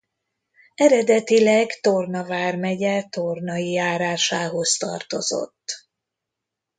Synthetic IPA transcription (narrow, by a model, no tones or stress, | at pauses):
ɛɾɛd̪ɛt̪ilɛɡt̪ornɒvaːrmɛɟɛt̪ornɒjijaːɾaːʃaːɦo̞zt̪ɒ̰rt̪o̞̰zo̰t̪ː